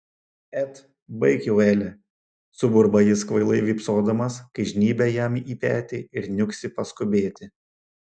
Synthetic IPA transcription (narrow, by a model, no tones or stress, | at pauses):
ɛt̪ | bɐɪkʲɛʊɛːlʲɪ | sʊbʊɾbɐjɪskʋɐɪlˠɐɪʋʲiːpsoːd̪ɐmɐskɐɪʒʲnʲiːbʲɛjɛmiːpʲæ̰ːt̪ʲɪɪɾnʲʊksʲɪpɐskʊbʲeːt̪ʲɪ